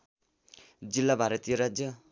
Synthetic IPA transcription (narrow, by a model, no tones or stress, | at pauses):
d͡zilːabʱaɾʌt̪ijʌɾad͡zjʌ